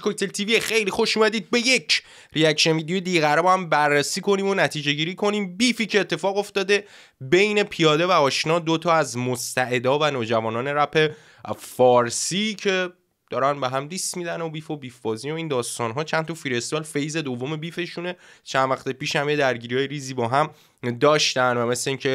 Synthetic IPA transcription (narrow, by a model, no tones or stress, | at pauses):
kok̚t̪elt̪ʰiviexe̞jlixo̞ʃuːmæd̪iːd̪̚be̞jecʰ | ɾiækʃenvid̪ijojed̪iːɣæɾbɒhæmbærːesiːkʰo̞niːmo̞næt̪ʰiːd͡ʒe̞ɟiːɾiːkʰo̞niːmbiːfiːcʰeːt̪ʰːe̞fɒːɣo̞ft̪ɒːd̪e̞ | be̞jne̞pʰijɒːd̪e̞væɒːʃnɒːd̪ot̪ʰɒːæzmost̪æʔe̞d̪ɒːvænoːd͡ʒævɒːnɒːne̞ɾæpʰe̞ | fɒːɾsiːcʰe̞ | d̪̥ɒːɾænbeɦæmd̪iːst̪mid̪ænobiːfo̞bifbɒːzinoiːnd̪ɒːst̪ɒːnɦɒːt͡ʃʰænt̪ʰɒfiɾest̪velfejze̞d̪o̞vːo̞me̞bife̞ʃune̞t͡ʃʰænvæxt̪e̞piːʃhæmjed̪æɾɟiːɾiɒːjeɾiːzibɒːɦæm | d̪ɒːʃt̪ænd̪væme̞sleiŋcʰe̞